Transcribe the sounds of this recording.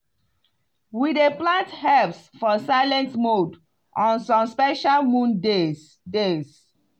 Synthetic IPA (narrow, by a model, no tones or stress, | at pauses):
wideplãnthɛlpsfɔsaɪlɛ̃ntmod | ʔɔ̃nsɔ̃mspɛʃalmũnde | des